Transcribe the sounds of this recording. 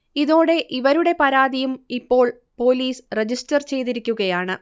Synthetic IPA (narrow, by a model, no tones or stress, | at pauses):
iðo̞ːɽe̞ʔiʋɐɾuɽe̞pɐɾaːðijumipːo̞ːɭ | po̞ːliːsred͡ʑistɐrt͡ɕe̞jt̪iɾikʲːuɣɐjaːɳɨ